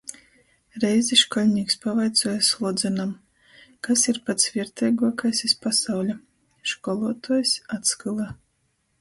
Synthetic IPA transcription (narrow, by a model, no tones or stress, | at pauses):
ɾɛjziʃkɔlʲnʲiːkspavajt̪suɔjslˠɔd̪zɛnam | kasiɾpat̪svʲiɾt̪ɛjɡuɔkajsʲispasawlʲa | ʃkɔlˠuɔt̪uɔjsʲat̪skɨlˠa